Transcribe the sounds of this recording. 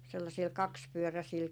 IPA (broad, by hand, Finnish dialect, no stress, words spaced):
selːɑsiːl kɑkspyøræsiːl